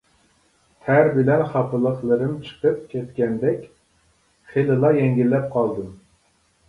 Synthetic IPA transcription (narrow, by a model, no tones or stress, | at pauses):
t̪ʰæɾbɪlɛnχɑpʰɨlˠəχlˠəɾɨmt͡ʃʰə̥qəp̚kʲʰɛt̪kʲɛnd̪ɛkʲ | χelɨlˠɑjɛŋɡʲilːɛp̚qʰɑlˠd̪ɨm